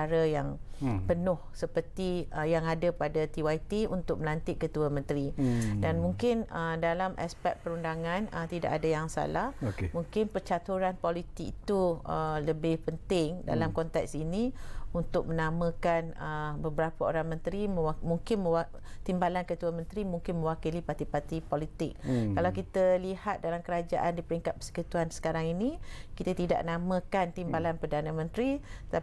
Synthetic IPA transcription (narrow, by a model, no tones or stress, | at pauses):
aɾajaŋpənʊhsəpərt̪ijaŋadapadat̪iwajt̪iunt̪ʊk̚məlant̪ɪʔ̚kːət̪uamə̃nt̪ɾidanmuŋkɪnədalamʔa̰spɛk̪̚pəɾundaŋãnət̪ida̰ʔadajaŋsa̰lahoemuŋkɪnpərt͡ʃat̪uɾanpolit̪ɪk̚it̪uələbɪhpənt̪ɪŋda̰lamkɔnt̪ɛksinĩunt̪ʊk̚mənamə̃kanəbəbəɾapao̰ɾaŋmə̃nt̪ɾimə̃amuŋkɪnmə̃wa | t̪imbalankət̪uamə̃nt̪ɾimuŋkɪnmə̃wakilipart̪ipat̪ipolit̪ɪk̚ːalawkit̪əlihat̪̚dalamkəɾad͡ʒa̰ʔandipəɾiŋkat̪̚pəsə̥kut̪uansə̥kaɾaŋinikit̪at̪ida̰ʔnamə̃kant̪imbalanpərdanə̃mə̃nt̪ɾiət̪a